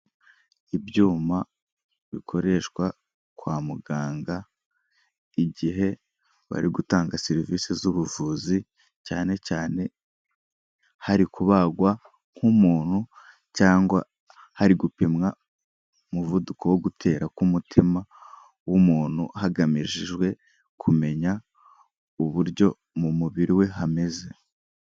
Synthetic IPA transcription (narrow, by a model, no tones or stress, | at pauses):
ibjuːma | βikʰo̞ɾe̞ʃkwa | kwaːmuɡaːŋɡa | iɟiɦe̞ | βa̰ɾiɡutaːŋɡaseɾiviːsezuβuvuːzi | caːne̞caːne̞ | haɾikuβaɡwa | ŋ̥humuːn̥hu | caːŋɡwa | haɾiɡupemŋa | muvudukowoɡutʰe̞ːɾakumutʰima | wumuːn̥huɦaɡamiʒiʒɡwe̞ | kʰume̞ɲa | uβuɾɟo̞ | mumuβiɾiwe̞ɦame̞ze̞